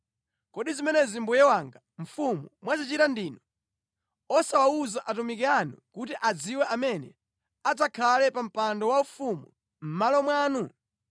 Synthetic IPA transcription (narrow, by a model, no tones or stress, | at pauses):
kɔɗizimɛnɛzimbujɛwaŋɡa | ɱ̩fumumwazit͡ʃitandiːnɔ | ɔsawauzaʔatumikianṵkutiʔad͡ziwɛʔamɛnɛ̰ | at̬akʰalɛpam̩pandɔwaufumu | m̩malɔmwaːnu